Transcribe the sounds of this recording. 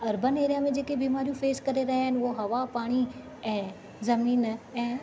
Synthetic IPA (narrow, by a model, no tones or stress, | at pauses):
ɐɾbəneːɾijamẽd͡ʑeːkebiːmaːɾijũfeːskɐɾeɾɐɦeɦɪnɪʊɦoɦɐʋapaːɽ̃i | ɛ̃ː | zɐmiːnɛ̃ː